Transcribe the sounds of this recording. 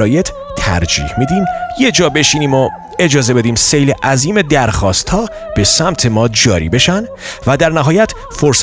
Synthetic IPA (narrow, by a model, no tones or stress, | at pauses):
ɾɒːjet̪ʰ | t̪ʰæ̰ɾd͡ʒḭːhmid̪iːmje̞d͡ʒɒːbe̞ʃiːniːmo | e̞d͡ʒɒːze̞be̞d̪iːmse̞jleʔæziːme̞d̪æɾxɒːst̪hɒː | b̥e̞sæmt̪ʰe̞mɒːd͡ʒɒːɾḭːbe̞ʃæn | væd̪æɾnæɦɒːjæt̪ʰ | foɾs